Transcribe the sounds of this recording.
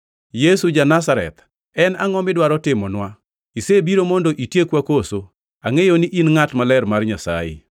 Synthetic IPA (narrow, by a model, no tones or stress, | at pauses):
jesud͡ʒanasaɾɛ̰t̪ | ɛnaŋɔmɪdwaɾɔtɪmɔnwa | isebiɾomɔndoʔitjekwakoso | aŋejoniʔinŋatmalɛrmarɲasa̰jɪ̰